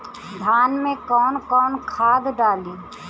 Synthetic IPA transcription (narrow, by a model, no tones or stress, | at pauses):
d̪ʱaːnmẽkɔːnkɔːnkʰaːd̪ɖaːliː